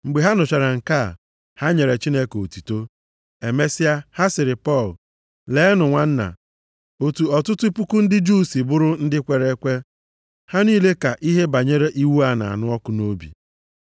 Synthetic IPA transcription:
ŋ͡m̩˨ɡ͡be˨ɦa˦nʊ˨t͡ʃa˨ɾa˨ŋ̩˨ka˦˨ | ha˦ɲe˨ɾe˨t͡ʃi˦ne˦ko˨tu˨to˦ | e˨me˦sɪ˦a˦ha˦sɪ˨ɾɪ˨pɔ˦˨l | le˦nʊ˨ŋʷa˦n̩˦na̰˨ | o˨tu˨ɔ˨tʊ˦tʊ˦pu˦ku˦n̩˦dɪ˦d͡ʒu˦˨si˨bʊ˦ɾʊ˦n̩˦dɪ˦kʷe˨ɾe˦kʷe˦ | ha˦niː˦le˦ka˨ʔi˦ɦe˦ba˨ɲe˦ɾe˦ʔi˦wu˦a˦na̰˨a̰˨nʊ˦ɔ˦kʊ˦no˦bḭ˨

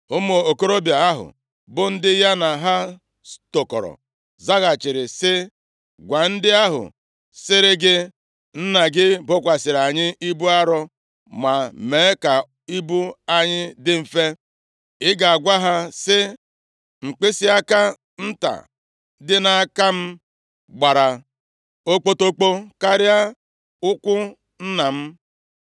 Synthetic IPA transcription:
ʊ˦mo˨o˨ko˦ɾo˦bja˨a˦ɦʊ̰˨ | bʊ˦n̩˦dɪ˦ja˦na˨ɦa˦ | sto˨kɔ̰˨ɾɔ̰˨ | za˦ɣa˨t͡ʃɪ˨ɾɪ˨sɪ˦ | ɡʷa˨n̩˦dɪ˦a˦ɦʊ̰˨ | sɪ˦ɾɪ˦ɡɪ˦ | n̩˦na˨ɡɪ˦bʊ˦kʷa˨sɪ˨ɾa˨ɲɪ˦ʔi˦bu˦a˦ɾɔ˦ | ma˨meː˨˦ka˨ | i˦bu˦a˦ɲɪ˦dɪ˦m̩˨fe˦ | ɪ˦ɡa˨a˨ɡʷa˦ɦa˦sɪ˦ | ŋ͡m̩˨k͡pe˦si˦a˦ka˦ | n̩˦ta̰˨ | dɪ˦na˦a˦˨ka˦m̩˦ | ɡ͡ba˨ɾa˨ | o˦k͡po˦to˦k͡po˦ka˦ɾɪ˦a˦ | ʊ˦kʷʊ˦ | n̩˦na˨m̩˦

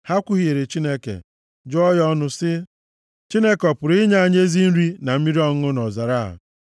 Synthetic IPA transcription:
ha˦kʷʊ˦ɦi˨˦e˨ɾe˨t͡ʃi˦ne˦kḛ˨ | d͡ʒɔ˦jɔ˦nʊ˦sɪ˦ | t͡ʃi˦ne˦kɔ˨pʊ˨ɾi˦ɲa˦a˦˨ɲ˦e˦zi˦n̩˦ɾi˦na˨m̩˦mi˦ɾi˦ɔ˦ŋ˦ʊ˦nɔ˨za˨ɾa˦˨a̰˨

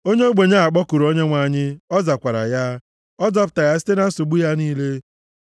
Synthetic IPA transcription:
o˦ɲe˦o˦ɡ͡be˨ɲa˦a˨k͡pɔ˦ku˨ɾo˦ɲe˦ŋʷa˦˨ɲɪ˦ɔ˦za˨kʷa˨ɾa̰˨ja˦ | ɔ˦d͡zɔ˦pʊ̥˨ta˨ja˦si̥˦te˦na˦n̩˦so˨ɡ͡bu˦ja˦niː˦le˦

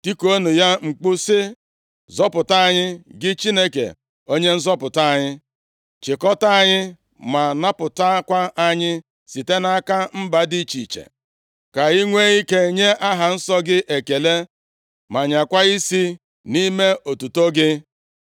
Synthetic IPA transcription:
ti˦ko˦nu˨ja˦ŋ͡m̩˨k͡pʊ˦sɪ˦ | zɔ˦pʊ˨ta˦a˦˨ɲɪ˦ɡɪ˦t͡ʃi˦ne˦kḛ˨ | o˦ɲe˦n̩˦zɔ˦pʊ˨ta˦a˨ɲɪ˦ | t͡ʃɪ˨kɔ˦ta˦a˨ɲɪ˦ | ma˨na˦pʊ˨ta˦kʷa˦ʔa˦ɲɪ˦ | si˨te˦na˦ka˦m̩˦ba˨di˦˨t͡ʃi˨t͡ʃḛ˨ | ka˨i˦ŋʷe˦ɣi˦ke˦ɲe˦ʔa˦ɦa˨n̩˦sɔ˦ɡɪ˦ʔe˨ke˨le˦ | ma˨ɲa˨kʷa˦i˦si˦ | ni˦me˦o˨tu˨to˦ɡɪ˦

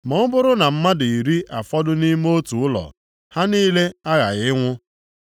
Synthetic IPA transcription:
mɔ˦ʊ˦bʊ˦ɾʊ˦na˨m̩˦ma˦dʊ˨i˨ɾi˦ʔa˨fɔ˦dʊ˦ni˦m˦o˦tu˨ʊ˦lɔ̰˨ | ha˦niː˦le˦a˦ɣa̰˨ɣɪ˦ŋʷʊ˦

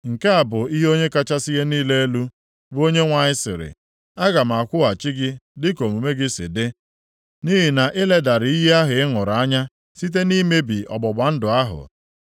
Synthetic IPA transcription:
ŋ̩˨ke˦a˨bʊ˨i˦ɦo˦ɲe˦ka˦t͡ʃa˦si˦ɦe˦niː˦le˦e˦lu˦ | bo˦ɲe˦ŋʷa˨ɲɪ˦sɪ̰˨ɾɪ̰˨ | a˦ɡa˨m̩˨a˨kʷʊ˦a˨t͡ʃɪ˦ɡɪ˦dɪ˦ko˨mu˨me˦ɡɪ˦sɪ̰˨dɪ˦ | ni˦ɦi˨na˨ʔɪ˦le˦da˨ɾɪ˨i˦ɦe˦a˦ɦʊ˨ɪ˦ŋʊ˨ɾa˦ɲa˦ | si˦t̬e˦ni˦me˦bi˨ɔ̰˨bɔ˨ba˨n̩˦dʊ˨a˦ɦʊ̰˨

